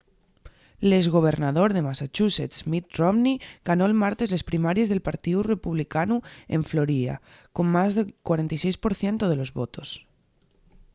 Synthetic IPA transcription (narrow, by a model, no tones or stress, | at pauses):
lezɣ̞o̞β̞e̞ɾnaðo̞ɾðe̞masat͡ʃuset̪smit̪̚romniɡ̥ano̞elmaɾt̪e̞zle̞spɾimaɾje̞zðe̞lpaɾt̪iðure̞puβlikanuḛɱflo̞ɾiða̰ | ko̞mmazðekwaɾent̪ajsejspo̞ɾθje̞nt̪oð̞e̞lo̞zβot̪o̞s